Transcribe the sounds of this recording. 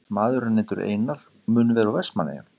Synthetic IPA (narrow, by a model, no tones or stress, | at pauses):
maːðʏɾanɪːnt̪ʏɾḛjnaɾ̥ | mʏːnʏvɛːɾavɛsmanːḛja̰n